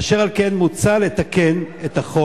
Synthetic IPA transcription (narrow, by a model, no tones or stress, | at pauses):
ʃeʁalke̞nmut͡salet̪akenet̪aχo